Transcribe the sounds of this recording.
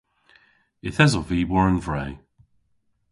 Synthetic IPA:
ɪθɛzɔviːwɔɹənvɹɛj

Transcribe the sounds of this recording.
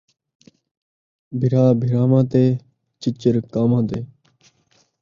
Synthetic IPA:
bʱɪɾaːbʱɪɾaːmãːt̪eː | t͡ʃɪt͡ʃːəɾkaːmãːt̪eː

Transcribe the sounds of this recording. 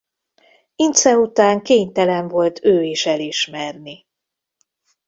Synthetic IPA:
int̪sɛut̪aːŋkeːɲt̪ɛlɛɱvo̞lt̪ʰøːiʃɛliʃmɛrni

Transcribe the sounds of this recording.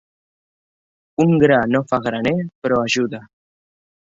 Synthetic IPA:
uŋɡɾanofaɣɾanepəɾɔaʒuða

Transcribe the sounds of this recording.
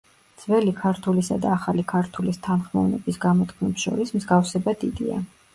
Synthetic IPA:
d̪z̥vɛlikʰaɾt̪ʰulisa̰d̪aːχalikʰaɾt̪ʰulist̪ʰanχmɔ̰vnɛ̰bisɡamɔt̪ʰkʰmɛpsʃɔ̰ɾismzɡafsɛbad̪id̪ia̰

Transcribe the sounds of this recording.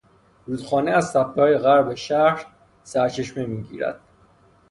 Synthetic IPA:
ɾuːd̪̥xɒːneæzsæp̚t̪ʰɒːjeɣæɾbeʃæɾ | sæɾt͡ʃʰe̞ʃmemiːɟḭːɾæ̰d̪̥

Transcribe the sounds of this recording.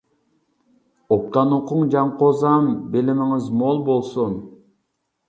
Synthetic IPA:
op̚t̪ɑnoqʰʊŋd͡ʒɑɴqozɑmbelɪmɪŋɪzmolˠbolˠsun

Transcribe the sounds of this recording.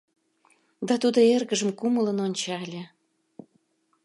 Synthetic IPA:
d̪ɑt̪ud̪oerɣəʒəmkumələnonʲt͡ɕɑlʲe

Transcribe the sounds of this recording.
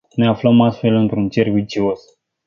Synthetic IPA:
ne̞afləmast̪fe̞lɨnt̪ɾunt͡ʃe̞rvit͡ʃio̞s

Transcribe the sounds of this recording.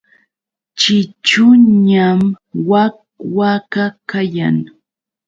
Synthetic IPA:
t͡ʃɪt͡ʃʊɲamwa | wakakaja̰ŋ

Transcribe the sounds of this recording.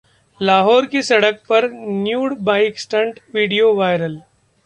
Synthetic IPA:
laːɦɔːɾkisɐɽək̚pɐɾnjuːɽbaːɪksʈə̃ɳʈʋiːɖijoʋaːɪɾəl

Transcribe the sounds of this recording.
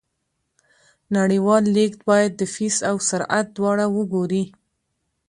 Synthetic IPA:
naɽiwɑlːekt̪bɑjad̪ːəfisawsaɾʔa̰t̪̚d̪wɑɽawəɡoɾi

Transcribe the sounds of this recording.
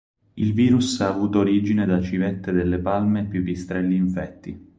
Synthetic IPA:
ilviːɾusaːvuːt̪oːɾiːd͡ʒined̪at͡ʃivɛt̪ːed̪elːepalmepjukːest̪ɾɛlːiːɱfɛt̪ːi

